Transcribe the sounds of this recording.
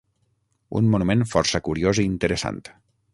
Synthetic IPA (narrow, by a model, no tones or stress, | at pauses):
ṵnmunumẽnfɔrsəkuɾioziːnt̪əɾəsa̰nt̪